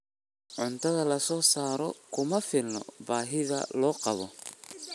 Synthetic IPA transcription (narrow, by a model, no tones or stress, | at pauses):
ʕʊnt̪ʰɐðɐlɐsɔːsaːɾɔkʰʊmɐfɪlnːɔ̰baːɦɪðɐ̰lɔːqɑβɔ